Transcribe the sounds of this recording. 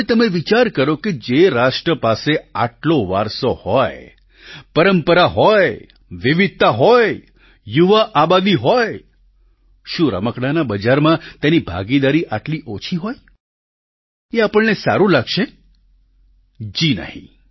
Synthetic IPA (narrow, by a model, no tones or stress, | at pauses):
et̪əmeʋit͡ʃaɾkəɾoked͡ʒeɾaʃʈɾəpaseaʈloʋa̰ɾsohɔj | pəɾəmpəɾaɦɔj | ʋiʋɪd̪̚t̪aɦɔj | juʋaʔabad̪iɦɔj | ʃũɾə̰məkɽanabəd͡ʒaɾmãt̪enibʱa̰ɡid̪aɾiʔaʈliʔot͡ʃʰiɦɔj | eapəɭnesa̰ɾũlaɡʃe | d͡ʒinə̰ɦḭ̃